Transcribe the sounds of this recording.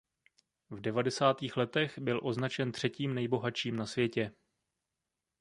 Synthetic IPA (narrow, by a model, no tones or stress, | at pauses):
vdɛvadɛsaːt̪iːxlɛt̪ɛɣbɪlʔo̞znat͡ʃɛnt̪r̥ɛciːmnɛjbo̞ɦat͡ʃiːmnasvjɛcɛ